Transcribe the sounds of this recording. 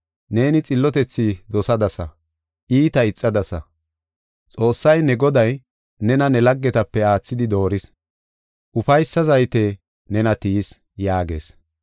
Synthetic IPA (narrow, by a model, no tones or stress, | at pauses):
ne̞ːnɪt͡sʼɪlːɔt̪ɛt͡sːɪd̪ɔsɐd̪ɐsɐ̰ | ʔiːt̪ɐɪt͡sʼːɐd̪ɐsɐ̰ | t͡sʼo̞ːsːɐjnɛɡɔd̪ɐj | nɛnɐnɛlɐɡːɛt̪ɐpːɛaːt͡sːɪd̪ɪd̪o̞ːɾɪs | ʔʊfɐjsːɐzɐjt̪eː | nɛnɐt̪iːs | jaːɡe̞̰ːs